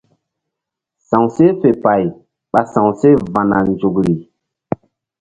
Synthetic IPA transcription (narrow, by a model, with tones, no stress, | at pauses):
sã˨ŋse˦fe˨pa˨j | ɓa˨sã˨wse˦va˨na̰˨nd͡ʒo˨kɾi˨